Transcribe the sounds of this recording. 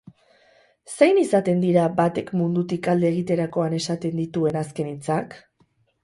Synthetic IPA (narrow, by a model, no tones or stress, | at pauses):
se̞jnisat̪e̞nd̪iɾabat̪e̞kmund̪ut̪ikald̪e̞ːɣ̞it̪e̞ɾako̞ane̞sat̪e̞nd̪it̪ue̞naske̞nit͡sak